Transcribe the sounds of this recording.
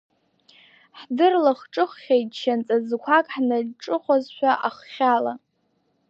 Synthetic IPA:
ħdɨrlaχʈ͡ʂʼɨχːʲajtʼʃʰant͡sʼazkʷʰakʼħnaʈ͡ʂʼɨχʷazʃʷᶣaʔaχχʲala

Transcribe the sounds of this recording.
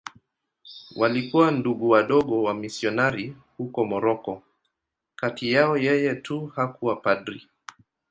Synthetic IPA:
wʔalikuwanduɠuwaɗɔɠɔwamisiɔnaɾi | hukɔmɔɾɔkɔ | katʰijaɔjɛjɛtʰuhakuwapaɗɾi

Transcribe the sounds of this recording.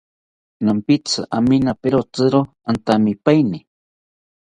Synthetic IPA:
nampɪt͡sɨʔaminapeɾot͡sɨɾo | ant̪amɪpajnɪ

